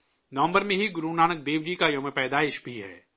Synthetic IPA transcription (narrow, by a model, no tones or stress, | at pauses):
nɐʋə̃mbəɾmẽɦiɡʊɾunaːñək̚d̪eːʋd͡ʒikajomepɛːd̪aːɪʃbʱiɦɛ̰ː